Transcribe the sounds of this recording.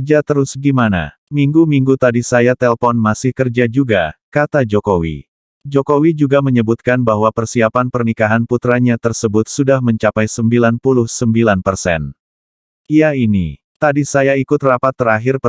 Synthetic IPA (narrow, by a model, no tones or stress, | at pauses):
d͡ʒat̪əɾʊsɡimana̰ | miŋɡumiŋɡut̪adisajat̪ɛlpɔnmasɪhkərd͡ʒad͡ʒuɡa̰kat̪ad͡ʒɔkowḭ | d͡ʒɔkowid͡ʒuɡaməɲəbut̪̚kanbaɦwapərsiapanpərnikaɦanput̪ɾaɲat̪ərsəbʊt̪̚sudahməɲt͡ʃapajsəmbilanpulʊhsəmbilanpərsɛ̰n | ijainḭ | t̪adisajaikʊt̪rapat̪ːəɾaɦɪrp